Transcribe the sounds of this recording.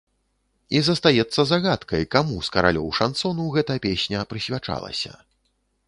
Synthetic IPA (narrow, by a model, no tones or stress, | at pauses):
izɐst̪ajɛt̪sːɐzaɣat̪kɐjkamuskɐɾa̰lʲɔ̰wʂant̪sɔnuwɣɛt̪ɐjɐpʲesʲnʲɐpɾɨsʲvʲat͡ʂa̰lˠɐ̰sʲɐ̰